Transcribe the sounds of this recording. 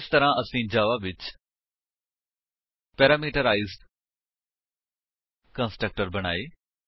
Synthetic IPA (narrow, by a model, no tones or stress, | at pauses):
st̪ɐɾãʔɐsĩːd͡ʒaːʋabɪt͡ʃ | pɛːɾaːmiːʈəɾaːɪzɖ | kɐ̃nsʈɾək̚ʈəɾbɐɽ̃a̰ːiː